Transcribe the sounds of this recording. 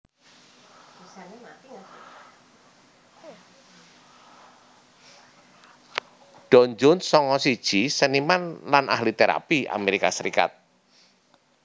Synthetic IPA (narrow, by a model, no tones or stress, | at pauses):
ɖ̥ɔɲd͡ʒʊnsɔŋɔsid̥ʒ̥isənimanlana̰hlit̪eɾa̰pia̰meɾikasəɾḭka̰t̪̚